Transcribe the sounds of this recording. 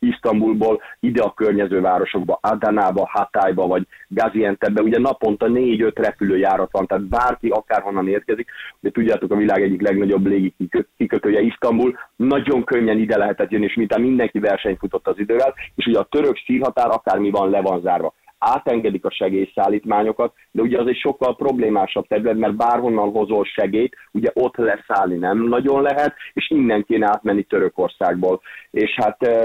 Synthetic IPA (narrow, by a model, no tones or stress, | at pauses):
iʃt̪ɒmbulboːlid̪ɛɒkørɲɛzøːvaːɾo̞ʃo̞ɡ̚bɒʔad̪anaːbɒhat̪aːjbɒvɒɟɡaziɛnt̪ɛbːɛuɟɛnɒpo̞nt̪ɒneːɟø̞t̪rɛpyløːjaːɾɒt̪ʋɒnt̪aːt̪̚baːrkiɒkaːrɦo̞nːɒneːr̚kɛzik̚ɛt̪uɟːaːt̪o̞kɒvilaːɡɛɟːiklɛɡnɒɟo̞bːleːɡikiøkikøt̪øːjɛiʃt̪ɒmbulnɒɟo̞ŋkø̞ɲːɛnid̪ɛlɛɦɛt̪ɛt̪jønːieːʃmint̪aːmind̪ɛŋkivɛrʃɛɲfut̪o̞t̪ːɒzid̪øːvɛleːʃuɟɛɒt̪øɾø̞ksiːlɦɒt̪aːɾʔɒkaːrmivɒnlɛvɒnzaːrvɒaːt̪ɛŋɡɛd̪ikɒʃɛɡeːjsaːlːiːt̪maːɲo̞kɒt̪̚ | d̪ɛuɟɛɒzɛcʃo̞kːɒlpro̞bleːmaːʃɒb̚t̪ɛɾylɛt̪mɛrt̪̚baːrɦo̞nːɒnɦo̞zolʃɛɡeːjt̪uɟɛʔo̞t̪ːlɛsaːlninɛmnɒɟo̞nlɛɦɛt̪eːʃind̪ːɛŋkeːnɛaːt̪mɛnːit̪øɾøko̞rsaːɡboːleːʃhat̪